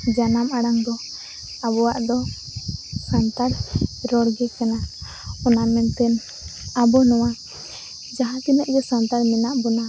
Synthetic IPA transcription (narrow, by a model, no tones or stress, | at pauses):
d͡ʒanamaɽaŋd̪ɔ | abɔwaʔd̪ɔ | sant̪aɾɾɔɽɡɛkana | ɔnamɛnt̪ɛn | abɔnɔwa | d͡ʒaɦãt̪inɛʔɡɛsant̪aɾmɛnaʔbɔna